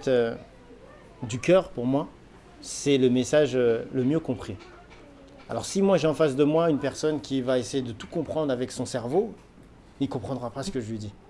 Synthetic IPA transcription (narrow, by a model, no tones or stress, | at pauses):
t̪ø | d̪ykʲœʁpuʁmwa | sɛləmesaʒøləmjøkɔ̃pχi | a̰lɔ̰ʁsimwaʒɛɑ̃fasd̪əmwaynpɛʁsɔnkʲivaesejed̪ət̪u̥kɔ̃pχɑ̃d̪ʁavɛksɔ̃sɛʁvo | ikɔ̃pχɑ̃d̪ʁapasə̥kəʒəlɥid̪i